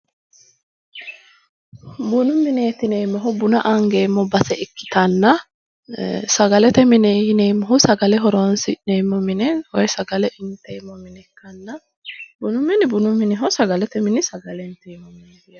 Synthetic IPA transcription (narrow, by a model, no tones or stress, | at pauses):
bʊnʊmɪneːt̪ɪnejmːɔɦʊbʊnɐʔɐŋɡeːmːɔbɐsɛɪkːɪ̥t̪ɐnːɐ | sɐɡɐlɛt̪ɛmɪnejɪneːmːɔɦʊsɐɡɐlɛɦɔɾɔːnsɪneːmːɔmɪnɛwɔjsɐɡɐlɛʔɪnt̪ɛːmːɔmɪnɛkːɐnːɐ | bʊnʊmːɪnbʊnʊmːɪnɪɦɔsɐɡɐlɛt̪ɛmɪnɪsɐɡɐlɛnt̪ejmːɔmɪneːɪ